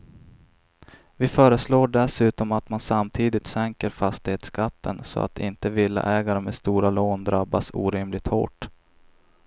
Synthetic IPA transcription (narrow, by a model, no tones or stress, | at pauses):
vɪfœːɾəsloːɖɛsʉ̟ːt̪ɔmat̪mansamt̪ʰiːd̪ɪt̪sɛŋkəɾfast̪ɪheːt̪skat̪ːənsɔ̰a̰t̪ɪ̰nt̪əvɪlːa̰ʔɛːɡaɾəmest̪uːɾaloːnd̪ɾabːasṵːɾɪmlɪt̪ho̰ːʈ